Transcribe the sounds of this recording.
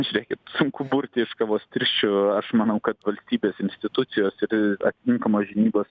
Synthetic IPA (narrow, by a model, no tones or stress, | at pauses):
ɐʃɾʲɛkʲɛtsʊŋkʊbuɾʲt̪ʲɪɪʃkɑʋoːst̪ʲɪɾʲʃʲt͡ʃʲʊɐʃmɐnɐʊkɐt̪ʋɐlʲsʲt̪ʲiːbʲeːsɪnʲsʲt̪ʲɪt̪ʊt̪sʲɪjoːsɪɾɐ̰t̪ʲɪ̥t̪ʲɪŋkɐmoːʒʲɪnʲiːboːs